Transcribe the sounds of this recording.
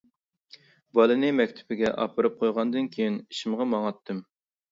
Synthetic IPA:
bɑlˠɨnɨmɛkʲt̪ʰɪ̥bɪɡʲɛʔɑ̰pɨɾɨp̚qʰojʁɑnd̪ɨnkʲʰejiniʃɪmʁɑmɑŋɑt̪ʰːɨm

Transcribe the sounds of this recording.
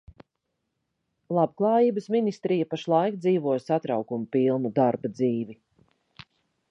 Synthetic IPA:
lˠabklˠɑːjiːbəsminist̪ɾijapaʃlˠajkd̪ziːvuɔjsat̪ɾawkumupilˠnud̪aɾbad̪ziːvi

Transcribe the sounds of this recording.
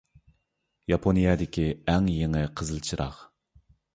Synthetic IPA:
jɑpʰonijɑd̪ɪkʲiɛŋjeŋɪqʰəzɨlˠt͡ʃʰɨɾɑ̰χ

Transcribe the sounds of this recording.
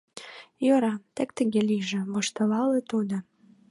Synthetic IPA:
joɾɑt̪ek̚t̪ə̆ɣeliʒĕβoʃt̪ɤlɑlet̪ud̪o

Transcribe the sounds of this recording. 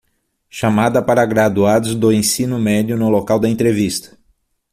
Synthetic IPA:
ʃamad̪ɐpaɾɐɡɾad̪uad̪ʊzd̪ʊẽsĩnʊmɛd͡ʒjʊnʊlokawd̪ɐẽnt̪ɾevist̪ɐ̥

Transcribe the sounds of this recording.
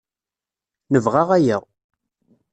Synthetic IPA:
nəvʁaʁæjəʁ

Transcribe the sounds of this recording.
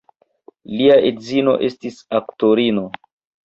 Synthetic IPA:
liaʔedzino̞̰ʔe̞stisaktoɾino̞

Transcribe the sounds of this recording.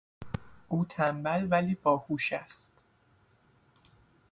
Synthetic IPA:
ʔuːt̪ʰæmbælvæliːbɒːhuːʃæst̪

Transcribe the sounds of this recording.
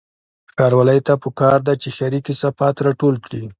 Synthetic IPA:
xɑɾwɑləjt̪apəkɑɾd̪at͡ʃexaɾikisafat̪ɾɑʈolkɽi

